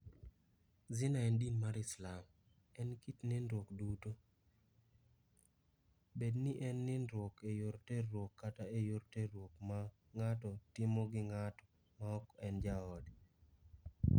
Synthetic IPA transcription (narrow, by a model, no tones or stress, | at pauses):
zɪnaɛndinmaɾɪslam | ɛnkitnenɾwokduto | bedniʔɛnːɪnɾwokejoɾteɾwokːataejoɾteɾwokma | ŋatɔtɪmɔɡɪŋatɔ | maɔkɛnd͡ʒaɔd